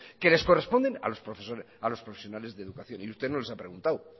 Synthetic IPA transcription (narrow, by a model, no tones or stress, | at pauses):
kele̞sko̞re̞spo̞nd̪ena̰lo̞spɾo̞fesoɾ | alo̞spɾofesjo̞nale̞zðeðukaθjo̞niust̪enolesapɾe̞ɣunt̪aw